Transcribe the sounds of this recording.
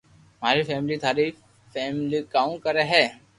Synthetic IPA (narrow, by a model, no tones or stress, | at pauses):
maːɾifɛːmlit̪ʰʊaːɾi | fɛːmlikaːũkəɾeɦɛː